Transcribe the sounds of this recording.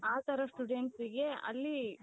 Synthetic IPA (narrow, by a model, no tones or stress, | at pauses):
aːt̪ʰɐɾɐsʈuɖeɳʈsiɡe̞ɐ̰lːi